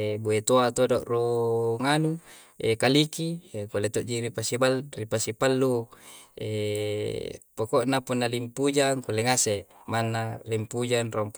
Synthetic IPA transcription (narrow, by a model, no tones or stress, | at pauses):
buet̪oat̪odoʔruŋanu | ekalikiekulet̪oʔd͡ʒiɾipasibalripasipalːu | ḛ | pokoʔnapunːalimpud͡ʒaŋkuleŋasemanːalimpud͡ʒanroŋp